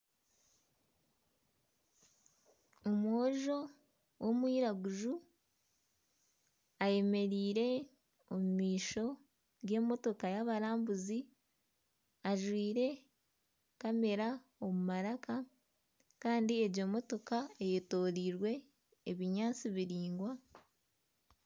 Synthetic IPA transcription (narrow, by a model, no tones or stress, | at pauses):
omoːʒo̞ | wo̞mwiːɾaɡuʒu | aje̞me̞ɾiːɾe̞ | omumiːʃo̞ | ɡe̞ːmo̞to̞kajaβaɾaːmbuzi | aʒwiːɾe̞ | kame̞ɾa | o̞mumaɾaka | kaːndieɾɟo̞mo̞to̞kaejeto̞ːɾiːɾwe̞ː | βiɲaːt͡siβiɾiːŋɡwa